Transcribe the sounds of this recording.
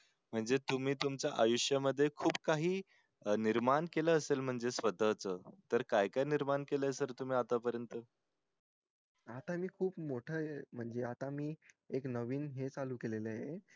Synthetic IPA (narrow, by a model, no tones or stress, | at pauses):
m̤əɳd͡zet̪um̤iːt̪umt͡ɕjaʔajuʂjəməd̪ʱːjekʰuːb̚kaɦiː | niɾmaɳkeləːselm̤əɳd͡zesʋəd̪ʱət͡sət̪əɾkajkajniɾmaɳkeləsəɾt̪um̤iːat̪apəɾjənt̪ə | at̪amiːkʰuːpmoʈʰəem̤əɳd͡zeat̪amiː | eknəʋiːnɦet͡saluːkeleləje